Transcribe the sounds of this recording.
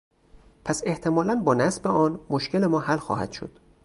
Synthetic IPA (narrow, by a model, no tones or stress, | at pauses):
pʰæse̞ht̪ʰe̞mɒːlænbɒːnæsbeɒːnmoʃcʰe̞le̞mɒːhælxɒ̰ːhæ̰d̪̥ʃo̰d̪̥